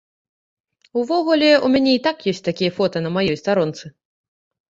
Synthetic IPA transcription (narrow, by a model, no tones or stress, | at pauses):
uvɔɣulʲɛumʲanʲɛit̪akjɔsʲtʲt̪akʲijɐfɔt̪ɐnɐmajɔjst̪aɾɔnt̪sɨ